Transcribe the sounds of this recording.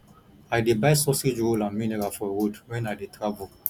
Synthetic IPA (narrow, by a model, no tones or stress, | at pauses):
adebaɪsɔsed͡ʒwolãnmĩnɛɾafɔwudwɛ̃nadetʰɾavul